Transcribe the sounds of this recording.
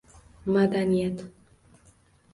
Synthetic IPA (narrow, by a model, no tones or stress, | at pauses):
mad̪anjɛt̪